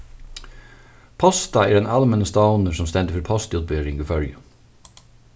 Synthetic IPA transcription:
pʰɔst̪ɑæːɖɛnɑlmɛnəst̪ɑʊnəsɔmst̪ɛnd̪ɪfɔɾpʰɔst̪ʉːt̪̚beːɾɪŋɡuːfœljə

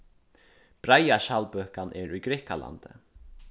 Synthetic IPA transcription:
b̥ɾajaʃaːlpœːhkanʔɛɾujɡɾɛkalʔa̰nt̪ɪ̰

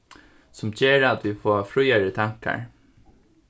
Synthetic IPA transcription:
sʊmt͡ɕeːɾat̪ʋifɔːafɾʊjaɹət̪ʰaŋ̥ka̰ɹ

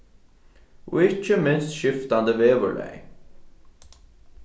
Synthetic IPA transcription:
ʔṵɪt͡ʃəmɪnst̪ʃɪft̪and̪əʋeːʋə̰ɭɛ̰ɪ

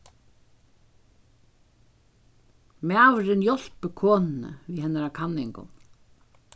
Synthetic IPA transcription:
maːvɾɪnjɔl̥pəkʰɔːnɪnə̰viðhɛnaɾakʰannːɪŋkʊ̰n

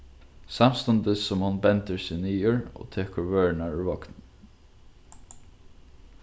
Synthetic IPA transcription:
samst̪ʊnt̪əsːɔmhʊnbɛnt̪əɹsɪniːʊɹɔ̰ːt̪ʰeːkəɹʋøːɹnaɹʏɹvɔknn

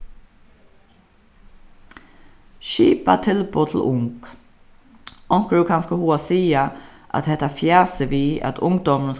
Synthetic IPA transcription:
ʃḭːpa̰t̪ʰɪlboːt̪ʰl̩ʔʊŋk | ʔɔŋkɹʉkʰɑnskəhuːɑsiːaʔɑ̰t̪hɛt̪afjæːsəʋiːʔɑ̰t̪ʰʊ̰ŋd̪ɔmən̩s

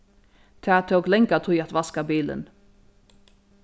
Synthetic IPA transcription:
t̪ʰæːt̪ʰoːɡlɛŋkat̪ʰuːɑt̪ʋɑskabiːlə̰n

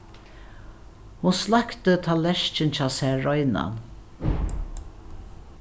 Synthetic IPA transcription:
hʊnslakt̪ət̪ʰaːlːɛʃt͡ʃɪnt͡ɕʰaːsɛːɔjna̰n

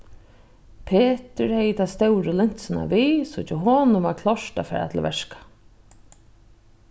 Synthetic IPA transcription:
pʰeːt̪ɪɾhɛjɪt̪ʰast̪ɛwɾɪlɪɲ̥t̪sɪna̰viːsʊt͡ʃɪɦoːnʊʋaɾkʰlɔʂtafɛ̰ːɾa̰t̪ʰɪlʋɛʂkḁ

